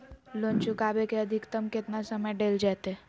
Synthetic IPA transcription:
lont͡ʃukabekeəd̪ʱikt̪əmkɪt̪nasəməjɖeːld͡ʒat̪e

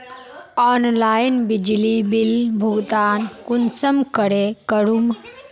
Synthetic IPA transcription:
ɔnlainbid͡ʒlibilbʱuɡt̪aːnkunsəmkəɾekəɾum

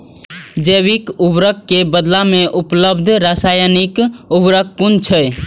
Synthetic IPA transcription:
d͡ʒeʋikubɾək̚ːebəd̪lameʔupləbd̪ʱɾasajənikubɾək̚ːunt͡ʃʰə

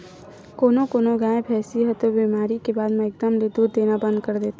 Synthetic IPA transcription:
koːnokoːnoɡãːẽpʰɛːsiɦɛt̪obiːmaːɾikebaːd̪mɛ̃ɪk̚d̪əmled̪uːd̪ːeːnabə̃nd̪̚kəɾd̪eːt̪ː

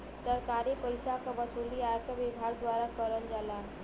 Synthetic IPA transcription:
sʌɾkaɾepəjsakabʌsoliaɾt̪ʌbibʱaɡd̪waɾakʌɾənd͡ʒala

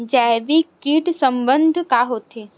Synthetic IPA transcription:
d͡ʒɛbikiʈsəmbənd̪ʱkaɦoːt̪eː

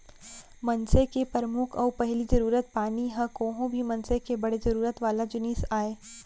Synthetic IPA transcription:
mɐnsekepəɾəmʊkʰɔːpɐɦlizɐɾuːɾət̪̚paːniɦɐ̃kõːɦõbʱimɐ̃nsekebɐɽezɐɾuːɾət̪ʋaːlad͡ʒʊnɪsaːeː

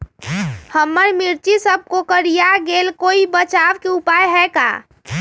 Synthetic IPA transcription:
həmːəɾmiɾt͡ʃisəb̚kokəɾijaɡelkoibət͡ʃaʋkeupajɦɛka̰ː

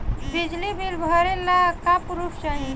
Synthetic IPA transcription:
bid͡ʒlibilbʱɔɾelːakapɾupʰsəɦĩ

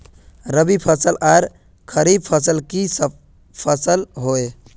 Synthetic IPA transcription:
ɾəbipʰəsəlaɾ | kʰəɾib̚pʰəsəlkis | pʰəsəlɦoe

